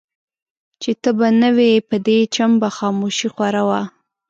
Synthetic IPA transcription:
t͡ʃet̪əbanəwepəd̪et͡ʃambaxɑmoʃixwaɾawa

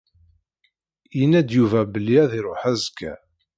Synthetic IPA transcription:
jənæd̪juvæbəlːiæðiɾˤoħæzkːæ̰

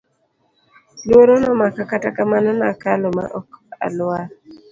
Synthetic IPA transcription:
lwoɾonɔmakakatakamanɔnakalɔma̰ʔɔka̰lwa

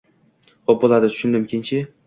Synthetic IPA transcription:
χop̚bolˠad̪ɪt̪ʰʊ̥ʃʊnd̪ɪmkʲʰɪnt͡ʃʰɪ

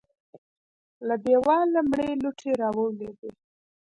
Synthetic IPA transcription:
labewɑlamɳeluʈʰeɾɑwəwled̪e

